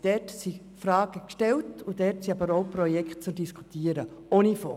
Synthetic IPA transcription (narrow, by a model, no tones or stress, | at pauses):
d̥ɛtsi | fɾaːɡ̥əkʃtɛltʊdɛtsiɑbəɾoʊprɔjɛkt̚t͡sʊmd̥iskʰu̥tiːəɾəoːnifɔː